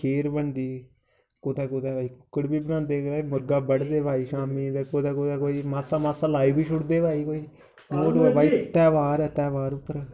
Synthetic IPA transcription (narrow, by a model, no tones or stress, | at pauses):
kʰeːɾbənd̪iː | koːt̪ɛːkoːt̪ɛːbaːiːkʊkːəɽbiːbənãːnd̪eːkaːmʊɾɡaːbəɽd̪eːbʱaːiːʃaːmiːd̪ekoːt̪ɛːkoːd̪ɛːkoːiːmaːsaːmaːsaːlaːiːbiːʃʊɽd̪eːbʱaːiːkoːiː | moːʈɛːbaːiːt̪ɛːʋaːɾɛːt̪ɛːʋaːɾʊpːəɾɛ